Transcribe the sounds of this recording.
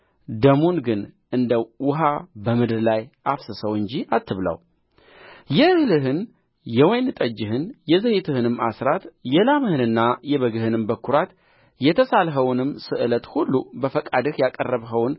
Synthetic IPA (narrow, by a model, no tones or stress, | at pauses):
d̪əmunɡɨn | ʔɨnd̪əwʊɦabəmɨd̪ɨɾlajʔafsɨsəwɨɲd͡ʒiat̪ʰːɨβlə̰w | jɛhlɨɦɨn | jɛwɔjnɨt̪ʼəd͡ʒːɪɦɨnjɛzəhit̪ʰɨhɨnɨmːasɾat̪jɛlamɨhɨnɨnːajɛβəɡɨhɨnɨmbəkʰːuɾat̪ | jɛt̪ʰəsalɦəwnɨmːsɨʔɨlət̪hulːubəfəkʼad̪ɨhjakʼərːəβɦəwn